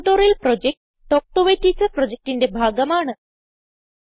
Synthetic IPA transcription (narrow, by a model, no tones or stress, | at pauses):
t̪oɾelpɾɔd͡ʑek̚ʈːɔk̚ʈoʋet̪it͡səpɾɔd͡ʑek̚ʈind̪ebʱaɡəmaɳəs